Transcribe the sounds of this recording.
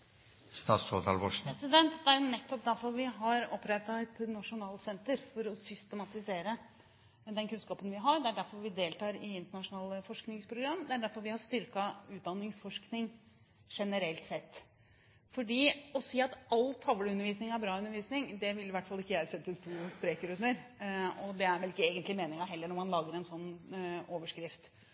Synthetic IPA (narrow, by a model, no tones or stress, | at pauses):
st̪ɑːt̪so̰ːt̪ʰɑ̰ːlʋɔʂɾɛsɪd̪ɛnt̪d̪ɛæɾnɛt̪ːɔpd̪æɾfɔʋɪɦɑɾɔpːɾɛt̪ːɑɛt̪nɑʂʊnɑːlsɛnt̪əɾfɔɾɔsʏst̪əmɑt̪ɪseːɾə | d̪ɛnkʉnskɑːpənʋɪɦɑɾɖ̪ɛæɖæɾfɔɾʋɪd̪eːlt̪ɑːɾɪɪnt̪əɳɑʂʊnɑːləfɔʂknɪŋspʰɾʊɡɾɑmːd̪ɛæɖæɾfɔɾʋɪhɑst̪ʏɾkɑʉːt̪̚d̪ɑnːɪŋsfɔʂknɪŋ | ʂɛnəɾɛlt̪sɛt̪ː | fɔɖiːɔsiːɑt̪ɑlːt̪ʰːɑʋələʉnəɾʋiːsnɪŋæɾbɾɑːʉnːəɾʋiːsnɪŋd̪ɛʋɪlɪʋæʈːfɑlːɪkːəjæɪsɛt̪ːəst̪ʰuːspɾeːkəɾʉnːəɾɔd̪ɛæɾʋɛlɪkːəeːɡənt̪lɪmeːnɪŋɑɦɛlːəɳɔmɑnlɑːɡəɾɛnsɔnːoːʋəʂkɾɪft̪